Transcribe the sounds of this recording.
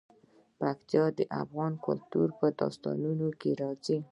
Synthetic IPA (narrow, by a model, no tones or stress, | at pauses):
pakt̪jɑd̪əʔa̰fɣɑnkʊlt̪uɾpəd̪ɑ̰st̪ɑ̰nunokeɾɑzi